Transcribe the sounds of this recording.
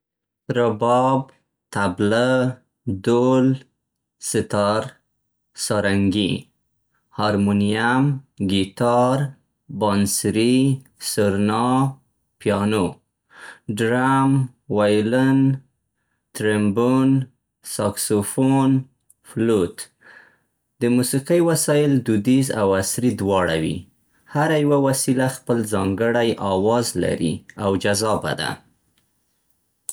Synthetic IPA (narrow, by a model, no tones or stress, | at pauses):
ɾabɑb | t̪abla | d̪ol | sɪt̪ɑɾ | sɑɾaŋɡḭ | hɑɾmunijamɡit̪ɑɾ | bɑnsɾisəɾnɑ | pjɑno | ɖɾamwajlən | t̪ɾembun | sɑksofon | flot̪ | d̪̥əmusiqijwasɑjɪld̪ud̪iza̰wasɾid̪wɑɽawḭ | haɾajawawasilaxpəlzɑŋɡəɽajʔɑwɑzla̰ɾḭawd͡ʒazɑba̰d̪a̰